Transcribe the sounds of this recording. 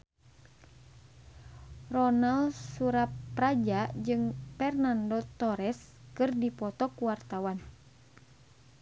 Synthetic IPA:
rɔnalsuɾapːɾad͡ʒad͡ʒɨŋfɛrnandɔt̪ɔɾɛs | kɨrdipɔt̪ɔkuwart̪awan

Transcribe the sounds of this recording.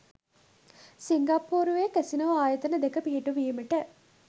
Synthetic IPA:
siŋɡapuːɾuʋekæsinɐʋaːjət̪ənəd̪ekəpiɦiʈuʋiːməʈə

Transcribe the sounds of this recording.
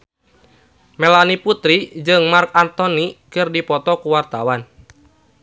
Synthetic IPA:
mɛlaniput̪ɾid͡ʒɨŋmark̚ant̪ɔnikɨrdipɔt̪ɔkuwart̪awan

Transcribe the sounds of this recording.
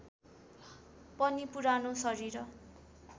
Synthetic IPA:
pʌnipuɾanosʌɾiɾʌ

